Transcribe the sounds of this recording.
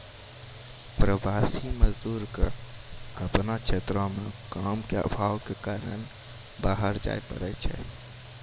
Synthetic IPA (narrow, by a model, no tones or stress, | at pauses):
pɾəʋaːsiməzd̪uːɾke | əpnat͡ʃʰeːt̪ɾõmẽkaːmkea̰bʱaːʋkekaːɾən | baːɦəɾd͡ʒa̰ːepə̰ɾɛt͡ʃʰɛ̰